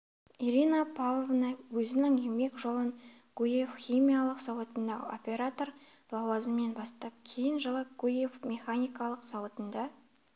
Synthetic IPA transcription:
iɾʲinapʰalˠovnɑwɵzɪnɪŋeme̞kʒo̞lˠən | ɡ̥ujefχʲijmʲijalˠəqsɑwət̪ənd̪ɑo̞̰pʲe̞ɾat̪o̞rlˠɑwɑzəme̞nbɑst̪ɑp̚kʲʰe̞jɪnʒəlˠəp̚ɡ̥ujefmʲe̞χanʲijkɑlˠəqsɑwt̪ənd̪ɑ

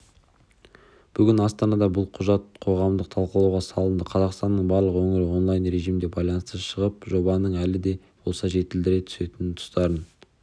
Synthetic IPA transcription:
b̥ʏɡʲɪnɑst̪ɑnɑd̪ɑbʊlˠqʰʊʒɑt̪̚qʰo̞ʁɑmd̪əq̚t̪ʰɑlˠqəlˠɑwʁɑsɑlˠənd̪əqʰɑzɑqst̪ɑnːəɴbɑɾlˠəqwɵŋɪɾɪwo̞nlˠɑjnɾe̞ʒijmd̪e̞bɑjlˠɑnəst̪əʃəʁəp̚ʒo̞bɑnəɴælɪd̪e̞ | b̥o̞lˠsɑʒe̞t̪ɪld̪ɪɾe̞t̪ʰʏ̥se̞t̪ɪnɪt̪ʰʊ̥st̪ɑɾən

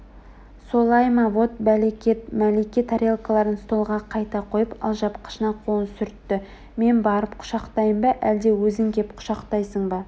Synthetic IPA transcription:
so̞lˠɑjmɑvo̞t̪̚mælekʲet̪mælekʲet̪ʰaɾʲelˠkalˠɑɾənst̪o̞lˠʁɑqʰɑjt̪ɑqʰo̞jəpɑ̰lˠʒɑpqʰə̥ʃənɑqʰolənsʏɾt̪ːɪ | me̞nbɑɾəpqʰʊ̥ʃɑqt̪ɑjəmbɑʔæld̪e̞wɵzɪŋkʲepqʰʊ̥ʃɑqt̪ɑjsəɴbɑ

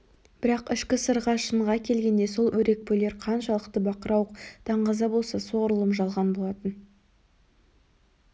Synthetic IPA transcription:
b̥ɪɾɑqɪʃkʲɪsəɾʁɑʃəɴʁɑkʲʰe̞lɡʲe̞nd̪e̞so̞lˠwʔɵɾe̞k̚pɵle̞ɾqʰɑnʃɑlˠəqt̪əbɑqəɾɑwəqd̪̥ɑɴʁɑzɑbolˠsɑso̞ʁɾəlˠəmʒɑlˠʁɑnbo̞lˠɑt̪ən

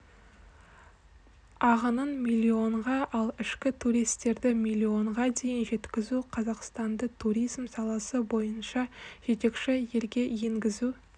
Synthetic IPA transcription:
ɑʁənənmʲilʲːio̞ɴʁɑʔɑlˠɪʃkʲɪt̪ʰuɾijst̪e̞ɾd̪ɪmʲilʲːio̞ɴʁɑd̪e̞jɪnʒe̞t̪kʲɪzuqʰɑzɑqst̪ɑnd̪ət̪ʰuɾijzmsɑlˠɑsəbo̞jənʃɑʒ̥e̞t̪e̞kʃɪje̞lɡʲe̞je̞ŋɡʲɪzu

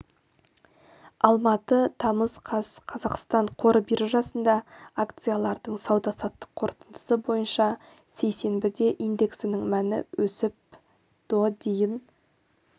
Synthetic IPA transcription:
ɑlˠmɑt̪ət̪ʰɑməzqʰɑsqʰɑzɑqst̪ɑɴqʰo̞ɾəbiɾɪʒɑsənd̪ɑakt̪sɨjalˠɑɾd̪əɴsɑwd̪ɑsɑt̪ːə̥qʰo̞ɾt̪ənd̪ə̥səbo̞jənʃɑ | se̞jse̞nbɪd̪e̞ʔijnd̪e̞ksɪnɪŋmænɪ̰wɵsɪp̚ | d̪̥od̪ejɪn

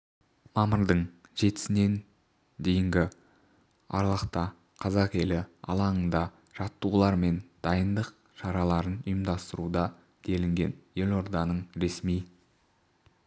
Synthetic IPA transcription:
mɑməɾd̪əɴʒe̞t̪ɪ̥sɪne̞n | d̪e̞jɪŋɡʲɪ | ɑ̰ɾlˠəqt̪ɑ | qʰɑzɑqe̞lɪɑ̰lˠɑɴənd̪ɑ | ʒ̥ɑt̪ːəulˠɑɾme̞nd̪̥ɑjənd̪əq̚ | ʃɑɾɑlˠɑɾənʊjəmd̪ɑst̪əɾud̪ɑ | d̪̥e̞lɪŋɡʲe̞nje̞lʲo̞ɾd̪ɑnəɴɾe̞smij

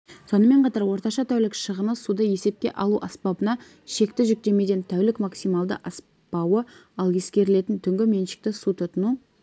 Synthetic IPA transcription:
so̞nəme̞ɴqʰɑt̪ɑɾwo̞ɾt̪ɑʃɑt̪ʰæwlɪkʃəʁəməsud̪əje̞se̞p̚kʲe̞̰ʔɑlˠuʔɑspɑbənɑ | ʃe̞kt̪ɪʒʏk̚t̪e̞me̞d̪ʲent̪ʰæwlɪkmaksijmɑlˠd̪ə̰ʔɑs | pɑwəɑlˠje̞skʲe̞ɾɪle̞t̪ɪnt̪ʰʏŋɡʲɪme̞nʃɪ̥k̚t̪ɪsut̪ʰʊt̪ənu

